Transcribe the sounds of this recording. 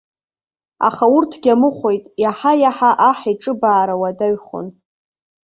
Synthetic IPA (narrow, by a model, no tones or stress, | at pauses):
a̰χaʊrtʰɡʲamɨχʷojtʼjaħajaħaʔaħiʈ͡ʂʼɨbaːɾawadaɥχʷʊ̰n